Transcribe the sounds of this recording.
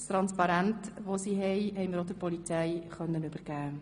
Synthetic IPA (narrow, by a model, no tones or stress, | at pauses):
st̪ɾɑnspɑɾæntʋosiɦɛjɦɛɪməɾod̪əɾpɔlit͡sɛjχœnːənʉbəɾɡ̥æː